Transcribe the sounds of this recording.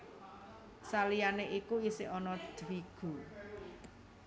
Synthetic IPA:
salijaneʔikuisɪʔɔnɔd̪̥wiɡ̥ṳ

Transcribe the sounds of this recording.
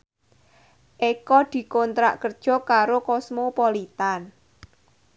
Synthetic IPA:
ʔekɔd̪̥i̤kɔnt̪ɾa̰ʔkərd̥ʒ̥ɔ̤kaɾokɔsmopolit̪an

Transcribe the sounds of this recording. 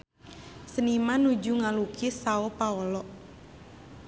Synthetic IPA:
sənimanud͡ʒuŋalukʰisaopaɔlɔʔ

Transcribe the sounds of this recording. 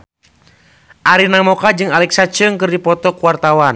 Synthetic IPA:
ʔaɾinamɔkad͡ʒɨŋalɛksat͡ʃɨŋkɨrdipɔt̪ɔkuwart̪awan

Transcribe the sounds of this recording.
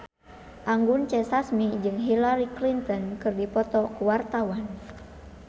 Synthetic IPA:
ʔaŋɡunt͡ʃɛsasmid͡ʒɨŋɦilaɾiklint̪ɔnkɨrdipɔt̪ɔkuwart̪awan

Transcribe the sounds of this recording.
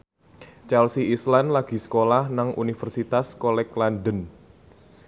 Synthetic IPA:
t͡ʃalsiislanlaɡ̥i̤sə̥kolahnaŋʔṵnifərsit̪askolɛklandən

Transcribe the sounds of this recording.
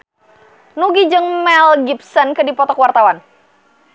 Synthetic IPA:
nuɡid͡ʒəŋmɛlɡipsənkədipɔt̪ɔkwart̪awan

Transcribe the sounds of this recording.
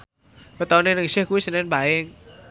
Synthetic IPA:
kət̪ɔnenəŋsɪhkuwisənɛnbaɪŋ

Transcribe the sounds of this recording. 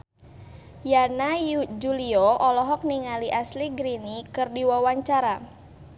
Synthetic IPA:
janad͡ʒuliɔɔlɔɦɔk̚niŋaliʔasliɡɾinikɨrdiwawaɲt͡ʃaɾa

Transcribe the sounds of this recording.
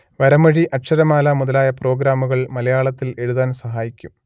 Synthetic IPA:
ʋɐɾɐmɐɻiʔɐʈʂɐɾɐmaːlɐmuðɐlaːjɐpro̞ːɡɾaːmuɣɐɭmɐlɐjaːɭɐt̪ːile̞ɻuðaːnsɐɦaːjikʲːum

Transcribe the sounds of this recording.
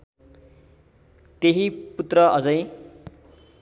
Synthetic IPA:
t̪eɦiput̪rʌʔʌd͡zʌ̃j̃

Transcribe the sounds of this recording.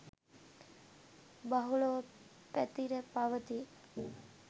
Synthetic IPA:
baɦuɭoʋ | pɛt̪iɾepaʋət̪i

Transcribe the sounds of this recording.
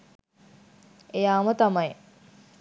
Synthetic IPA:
ejaːmət̪amɐj

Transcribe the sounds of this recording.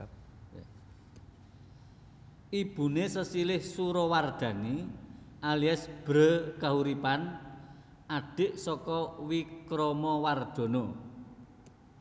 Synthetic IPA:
ib̥ṳnesəsilɪhsuɾɔward̪̥ä̤niʔaliasb̥ɾəkaɦuɾipan | aɖ̥ɪ̤ʔsɔkɔwikɾɔmɔward̪̥o̤no

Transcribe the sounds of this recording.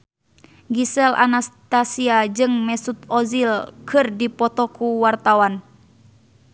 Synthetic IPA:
ɡisɛlʔa̰nast̪asiad͡ʒɨŋmɛsut̪̚ɔzilkʰɨrdipɔt̪ɔkuwart̪awan

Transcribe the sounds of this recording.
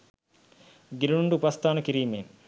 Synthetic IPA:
ɡiɾuuɳɖupast̪aːnəkiɾiːmeːn

